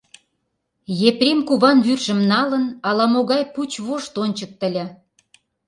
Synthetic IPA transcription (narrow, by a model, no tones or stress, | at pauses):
jeprʲemkuβɑnβyrʒə̆mnɑlənɑlɑmoɣɑjput͡ɕβoʃt̪onʲt͡ɕək̚t̪ə̆lʲæ